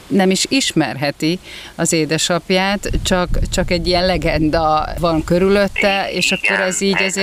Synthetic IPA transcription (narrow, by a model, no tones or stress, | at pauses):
nɛmiʃiʃmɛ̰rɦɛt̪iɒzeːd̪ɛʃɒpjaːt̪t͡ʃɒkt͡ʃɒkɛɟːijɛnlɛɡɛnd̪ɒvɒŋkø̞ɾylø̞t̪ːɛeːʃɒkːo̞ɾɛziːɟɛze